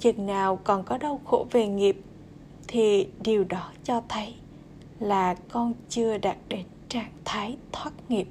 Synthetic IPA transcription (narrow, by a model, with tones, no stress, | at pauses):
t͡ɕɨ˨˩ŋnaː˨˩wkɔ˨˩nkɔ˨˦ɗə˧wxo˧˩ve˨˩ŋi˨˩əp̚ | t̪ʰi˨˩ɗi˨˩əwɗɔ˨˦t͡ɕɔ˧t̪ʰə˨˦j | laː˨˩kɔ˧nt͡ɕɨ˧əɗaː˨˩t̚ɗe˨˦nt͡ɕaː˧˩ŋt̪ʰaː˨˦jt̪ʰwaː˦˥t̚ŋi˨˩əp̚